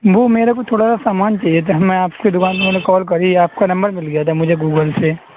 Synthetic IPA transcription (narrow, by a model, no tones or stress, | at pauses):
ʋoːmeːɾekot̪ʰoːɽasasaːmaːnt͡ʃaːɦijet̪ʰamɛ̃aːpkid̪ʊkaːnonekɔːlk̬ɐɾiaːp̚kanɐ̃mbəɾmɪlɡɐjat̪ʰamʊd͡ʒʱeɡuːɡəlse